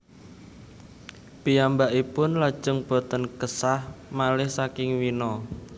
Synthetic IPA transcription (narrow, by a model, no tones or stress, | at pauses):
pijambaʔipʊnlad̥ʒ̥ʊŋb̥o̤t̪ənkəsahmalɪhsakɪŋwinɔ